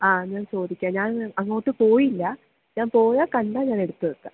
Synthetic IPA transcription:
aːɲaːnso̞ːd̪ikʲːãːɲaːnɐŋːoːʈːɨpoːjilːɐ | ɲaːnpoːjaːkɐɳɖaːɲaːne̞ɽut̪ːɐɾɯk̪ːa̰

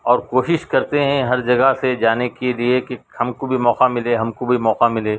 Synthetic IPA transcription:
ɔːɾkoːʃɪʃkɐɾt̪eɦɛ̃ɦɐɾd͡ʒɐɡəɦsed͡ʒaːnekeliekehɐmkobʱimɔːqamɪleɦɐmkobʱimɔːqamɪleː

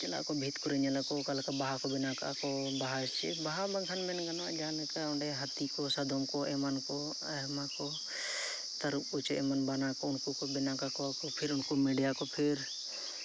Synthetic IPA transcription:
t͡ʃela̰ʔkobʱiːt̪kʊɾeɲelakokɐlkebaɦakobɪnaka̰kobaɦast͡ʃʰḭbaɦabɐŋkʰənmɛnɡɐnad͡ʒaːnkeʊɳɖeɦɐt̪ikosɐd̪ʱomkoemənko | ɐ | mako | t̪ɐɾut͡ʃḛmənbanakoʊnkokobɪnakakokopʰɪɾʊnkomeɖijakopʰɪɾ

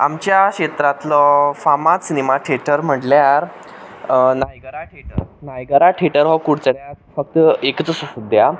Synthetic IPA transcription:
a̰mt͡ɕjaɕet̪ɾat̪lɔfamasinemaʈʰeʈəɾm̤əʈljaɾ | najɡəɾaʈʰeʈəɾnajɡəɾaʈʰeʈəɾɦɔkuɽt͡səɽjafək̚t̪ekt͡səsəsəd̪ʱja

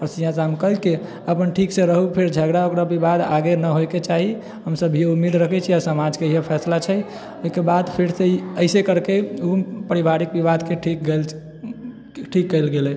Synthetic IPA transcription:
ɔɾsiɦãd͡ʒamkəlke | əpənʈʰiksẽɾəɦupʰeɾd͡ʒʱəɡɾaokɾabibad̪aɡenəɦojket͡ʃaɦi | ɦəmsəbiɦeumːed̪ɾəkʰɛt͡ʃʰiasəmad͡ʒkeiɦepʰɛslat͡ʃʰɛ | oikebad̪pʰiɾseəɪsekəɾkeupəɾibaɾik̚bibad̪keʈʰik̚ɡel | ʈʰikːəɪlɡelɛ

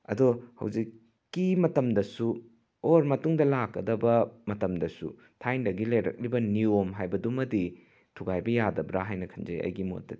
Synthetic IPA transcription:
ɐ̰dohɐ̰wd͡ʒikː | imɐtɐmdɐsu | oɾmɐtuŋdɐlakːɐdɐbɐmɐtɐmdɐsṵ | tʰajndɐɡilɐjɾɐ̰k̚libɐniomɦajbɐdumɐdi | tʰuɡajbɐjadɐbɾaɦajnɐkʰɐnzɐ̰jɐ̰jɡimo̰tːɐ

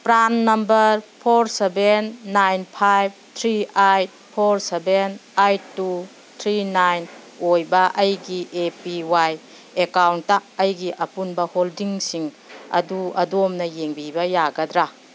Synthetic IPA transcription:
pɾanːɐmbɐɾpʰoɾsebenːajnpʰajb̚t̪ʰɾiajt̚ | pʰoɾsebenajtːu | t̪ʰɾinajn | ojbɐʔɐjɡiʔepiwaj | ekawntːaːjɡiʔɐpunbɐholdiŋsiŋ | ɐ̰duɐdomnɐjeŋbibɐjaɡɐdɾa

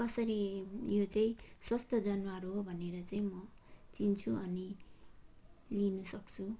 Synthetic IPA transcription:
kʌsʌɾijot͡saĩswʌst̪ʰʌd͡zʌnwaɾuɦobʱʌneɾʌt͡saĩmʌt͡sint͡sʰuʌni | linusʌkt͡sʰu

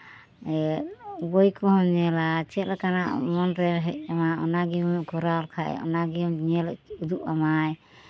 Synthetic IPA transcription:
ɛbɔjkɔɦɔmɲɛlat͡ʃʰɛlakana̰ʔmɔnɾɛɦɛʔ̚amaɔnaɡiɡɔɾalkʰaʔɛ̰ɔ̰naɡimɲɛlɛud̪uʔamaj

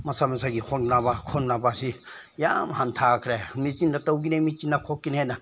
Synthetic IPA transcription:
mɐsamesaɡikʰɔŋnabakʰɔnnabasi | ja̰mhantʰakʰɾemizinɾatawɡinemit͡ʃinakʰokːinena

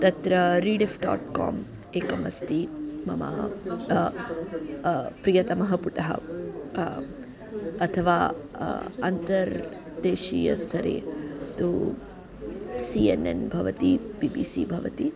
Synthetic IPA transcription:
t̪ɐt̪ɾɐɾiːɖefɖa̰ːʈka̰ːm | eːkɐmɐst̪imɐma̰ | pɾijɐt̪ɐmɐɦɐpuʈɐɦɐ̰ | ɐt̪ʰɐʋaː | ɐnt̪ɐɾ | d̪eːʃiːjɐ̰st̪ʰɐɾḛːt̪u | siːenḛnbʱɐʋɐt̪ib̥iːbisibʱɐʋɐ̰t̪i

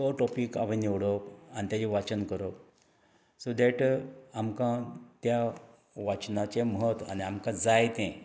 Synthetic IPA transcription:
oʈɔpika̰ʋãniʋɽopanit̪jad͡ʑiʋat͡ɕənkəɾo | sod̪ɛʈamkãt̪ja | ʋat͡ɕnat͡ɕeməɦət̪a̰niamkãd͡zajt̪ẽ

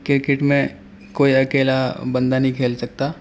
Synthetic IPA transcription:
kɪɾkɪʈmẽ | koːiɐkeːlabɐ̃nd̪anɐɦĩkʰeːlsɐk̚t̪aː

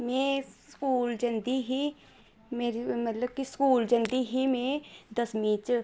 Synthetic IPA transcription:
mẽskuːld͡ʒɐnd̪iɦi | meːɾimɐt̪ləb̚kiskuːld͡ʒə̃nd̪iɦimẽd̪ɐsmiːt͡ʃ

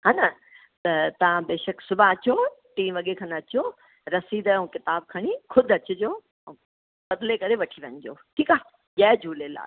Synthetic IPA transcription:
ɦaːnɐ | t̪ɐt̪ɐʋ̤ãbeːʃəksʊbʱãɐt͡ɕoʈiːmʋɐɠekʰɐnɐt͡ɕo | ɾɐsiːd̪ũkɪt̪aːb̚kʰɐɽ̃ikʰʊd̪ʱɐt͡ɕʊd͡ʑõː | bɐd̪lekɐɾeʋɐʈʰiʋɐ̃ɲd͡ʑoːʈʰiːkaː | ʄɐːd͡ʑʱuːlela̰ː

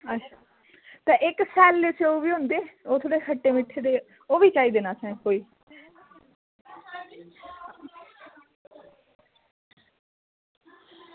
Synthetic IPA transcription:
ətːʃʰaː | t̪ẽːʔɪksɛːlːeseoːʋiːɦʊ̃nd̪eːoːt̪ʰoːɽeːkʰəʈːeːmɪʈʰːeːd̪eː | oːʋiːt͡ʃaːiːd̪eːnaːsɛ̃ːkoːiː

